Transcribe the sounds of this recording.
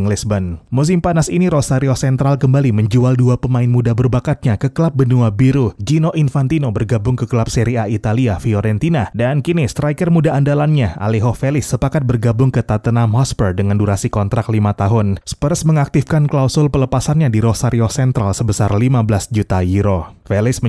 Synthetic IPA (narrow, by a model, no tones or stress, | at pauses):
ŋlisbənmus̬impanasiniɾosaɾiosɛnt̪ɾalkəmbaliməɲd͡ʒualduapəmaɪnmudabərbakat̪̚ɲakəkəlap̚bənuabiɾud͡ʒinoʔinfant̪inobərɡabʊŋkəkəlap̚seɾiait̪aliafioɾɛnt̪inadankinist̪ɾajkərmudaːndalanɲaa̰liɦofelɪsːəpakat̪̚bərɡabʊŋkət̪at̪ənamɔspərdəŋanduɾasikɔnt̪ɾaklimat̪aɦʊnspərsməŋak̚t̪ɪfkanklausʊlpələpasanɲadiɾosaɾiosɛnt̪ɾalsəbəsarlimabəlasd͡ʒut̪ajiɾofelɪs